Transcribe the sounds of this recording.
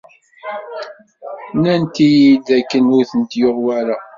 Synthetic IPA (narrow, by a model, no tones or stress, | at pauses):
nænt̪ijid̪ækːənʊθənt̪joʁwæɾæ